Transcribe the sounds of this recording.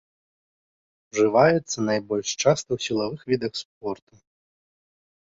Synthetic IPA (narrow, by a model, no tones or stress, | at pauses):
ʐɨvajɛt̪sːɐnajbɔlʲʂt͡ʂast̪ɐwsʲilˠavɨxvʲid̪ɐxsp̚ɔrt̪u